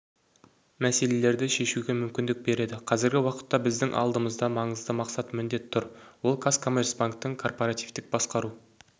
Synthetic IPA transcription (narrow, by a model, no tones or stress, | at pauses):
mæse̞le̞le̞ɾd̪ɪʃe̞ʃuɡʲe̞mʏmkʲɪnd̪ɪk̚be̞ɾe̞d̪ɪqʰɑzɪɾɡʲɪwɑqə̥t̪ːɑbɪzd̪ɪŋʔɑ̰lˠd̪əməzd̪ɑmɑɴəzd̪əmɑqsɑt̪mʏnd̪e̞t̪t̪ʰːʊɾwo̞lˠkʰaskʰo̞mʲe̞rsbaŋk̚t̪ːəŋkʰo̞rpo̞ɾat̪ijvt̪ɪk̚bɑsqɑɾu